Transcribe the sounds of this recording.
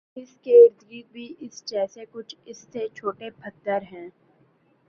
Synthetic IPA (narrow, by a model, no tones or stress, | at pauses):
ɪskeɾd̪ʰɡibʱiʔɪsd͡ʒɛːsekʊt͡ʃʰɪsːet͡ʃʰoːʈepʰɐt̪ːəɾɦɛ̃ː